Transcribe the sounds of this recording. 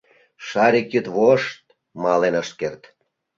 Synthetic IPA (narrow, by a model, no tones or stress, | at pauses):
ʃɑɾʲikjyt̪βoʃt̪̚ | mɑlenəʃt̪̚kert̪